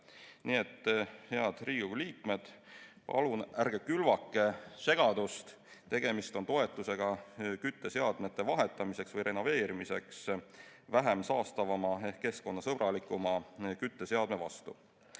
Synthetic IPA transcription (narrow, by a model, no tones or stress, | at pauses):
niːe̞t̪ːhe̞ɑd̪̥riːɡ̥uliːkme̞d̪̥pɑ̰lunærɡ̥e̞kylvɑkːˑe̞se̞ɡ̥ɑd̪ust̪ | t̪e̞ɡ̥e̞mist̪o̞nt̪o̞e̞t̪ːˑuse̞ɡ̥ɑkyt̪ːˑe̞seɑd̪̥me̞t̪ːˑe̞vɑɦe̞t̪ːˑɑmise̞ksvɤjɾe̞nove̞ːɾimise̞̰ksvæɦe̞msɑːst̪ɑvɑmɑeke̞sko̞nːɑsɤb̥rɑlikːˑumɑkyt̪ːˑe̞seɑd̪me̞vɑ̰st̪ṵ